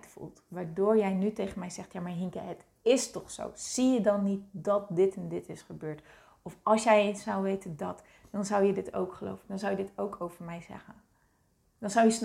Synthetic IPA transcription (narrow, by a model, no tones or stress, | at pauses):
tfṵlˠtʋaːɹdoːɹjɛjnytejχənmɛjzɛχtjaːmaːɹɦiŋkəɦət | ɪstɔχso̰wz̥ijədɑnːit̚dɑt̚dɪtɛndɪtɪsχəbøːɹt | ɔfɑlˠsjɛjsʌwʋejtəndɑt | d̥ɑnzʌwjədɪto̰wkχəlo̰wvəndɑnzʌwjədɪtowkʰowvəɹmɛjzɛ̰χən | d̥ɑnzʌwjəsn